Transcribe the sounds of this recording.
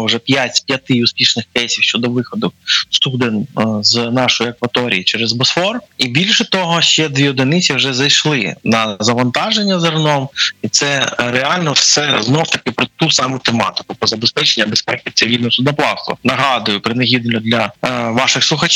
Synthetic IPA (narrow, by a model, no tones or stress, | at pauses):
wʐɛpʲjatʲpʲjɐt̪ɪʊspʲiʃnɪxkɛjsʲiwʃt͡ʃɔd̪ɔʋɪxɔd̪ɔkst̪ud̪ɪnznɑʃɔjʊɐkʋɐt̪ɔɾʲḭjit͡ʃɛɾɛzbɔsfɔribʲilʲʃɛt̪ɔɦɔʃt͡ʃɛd̪ʋʲiɔd̪ɪnɪt͡sʲiwʒɛzɐjʃlˠɪnɐzɐʋɐnt̪ɑʒenʲːɐzɐrnɔmit̪sɛɾeɑlʲnɔsɛznɔwt̪ɐkɪpɾɔt̪usɑmʊt̪emɑ̰t̪ɪ̥kʊpɔzɐbespɛt͡ʃenʲːɐbespɛkt͡sʲːɐʋʲid̪ʲnɔsʊd̪nɐplˠɑst̪ʊ̰nɐɦɑd̪ʊjʊpɾɪnɐɦʲid̪nlʲɔd̪lʲɐʋɑʃɪxslˠʊxɐt͡ʃ